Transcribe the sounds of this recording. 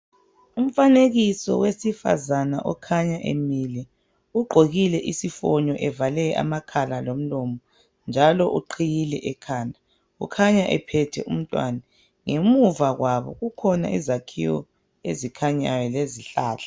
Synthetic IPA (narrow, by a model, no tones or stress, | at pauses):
um̩faneɣisɔ̰wesifa̰zanaʔɔkʰaɲaʔḛmilɛ | uɡ͡ǃʱoɣilɛʔisifɔɲɔʔɛvalɛʔa̰makʰalalom̩lɔmɔ | nd͡ʒʱalɔʔuǃʰijilɛʔɛkʰaːndʱa | ṵkʰaɲaʔɛ̰pʰɛtʰɛ̰ʔum̩tʼwa̰na | ŋemuvaɣwʔaβɔ̰ɣukʰɔna̰ʔizakʰḭwɔ̰ | ezikʰaɲajɛleziɬa̰ːɬʰḁ